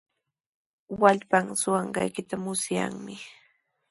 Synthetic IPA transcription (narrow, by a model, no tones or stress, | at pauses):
waʎpaŋsʊɑɴɢɑ̰jkɪt̪amʊsja̰ŋmɪ